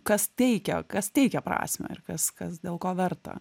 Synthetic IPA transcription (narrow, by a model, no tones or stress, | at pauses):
kɐst̪ʲɛɪkʲɛkɐst̪ʲɛɪkʲɛpɾɑ̰ːsʲmʲo̰ːɪɾkɐskɐsd̪ʲeːlˠkoːʋʲɛrt̪ɐ̰